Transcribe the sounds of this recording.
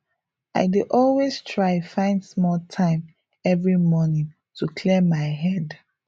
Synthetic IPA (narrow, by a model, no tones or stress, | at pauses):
a̰ɪdiʔɔlwestʰɹaɪfãɪ̃ndsmɔltʰãɪ̃m | ɛvɹimɔnĩŋ | tʰukʰlimaɪɦɛd